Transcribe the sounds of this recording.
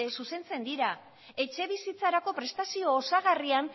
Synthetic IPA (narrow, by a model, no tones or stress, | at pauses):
esuse̞nt͡se̞nd̪iɾa | e̞t͡ʃe̞β̞isit͡saɾako̞pɾe̞st̪asio̞ːsaɣ̞arian